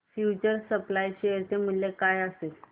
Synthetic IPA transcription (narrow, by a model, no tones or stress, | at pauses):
fjut͡ɕəɾsəplajɕejəɾt̪em̤əɭːekajəsel